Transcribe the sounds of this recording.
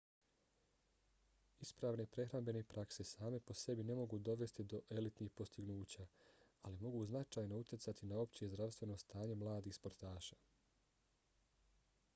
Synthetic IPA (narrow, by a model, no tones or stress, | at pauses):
ispɾaːʋne̞pɾe̞xɾambe̞nepɾakse̞saːme̞po̞se̞bine̞mo̞ɡuːd̪o̞ʋe̞st̪id̪o̞ʔe̞lit̪niːxpo̞st̪iɡnuːt͡ɕaːalimo̞ɡuːznat͡ʃaːjno̞ut̪ʲjesat̪ʰinao̞pt͡ɕie̞zd̪ɾaʋst̪ʋe̞no̞st̪aːɲe̞mlˠaːd̪iːxspo̞ɾt̪aːʃaː